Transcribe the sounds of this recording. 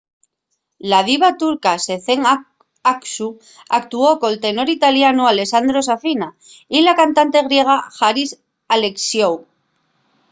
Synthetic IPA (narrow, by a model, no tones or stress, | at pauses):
laðiβat̪uɾkase̞θeŋ | aksu | ak̚t̪uo̞ko̞lt̪e̞no̞ɾit̪aljanuale̞sand̪ɾo̞safina | ilakant̪ant̪e̞ɣɾje̞ɣ̞axaɾis | ale̞ksjow